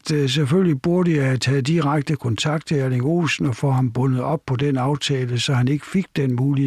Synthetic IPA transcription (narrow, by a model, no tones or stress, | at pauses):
d̥s̬eføllib̥uɐd̥əjahæt͡sʰɛːð̩ˠd̥iʁaɡ̥̚d̥əkʰɒ̽nt͡sʰɑ̈ɡ̥̚d̥t͡sʰe̝æɐleŋo̝̰ːsn̩ɒ̽fɒ̽hɑ̈mb̥ɔ̽nð̩ˠɒ̽b̥̚pʰɒ̽denɑ̈ʊt͡sʰɛːləsɒ̽hæne̝ɡ̥əfe̝ɡ̥d̥enmuːli